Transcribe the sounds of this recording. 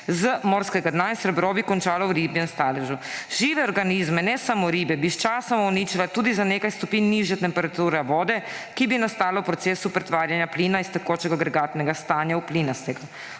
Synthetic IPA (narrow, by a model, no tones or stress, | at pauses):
zəmɔɾskɛɡad̪najnsɾɛbɾɔːbikɔnt͡ʃaːlɔwɾiːbjɛnast̪aːlɛʒuʒiːʋɛɔɾɡanizmɛnɛsamoɾiːbɛbist͡ʃaːsamɔɔniːt͡ʃilat̪uːd̪izaneːkajst̪ɔpiːnːiʒjɛt̪ɛmpɛɾat̪uːɾɛʋɔːd̪ɛ | kibinast̪aːlawpɾɔt̪seːsupɾɛt̪ʋaːɾjanjapliːnaist̪ɛkoːt͡ʃɛɡaɡɾɛɡat̪nɛɡast̪aːnjaupliːnast̪ɛɡu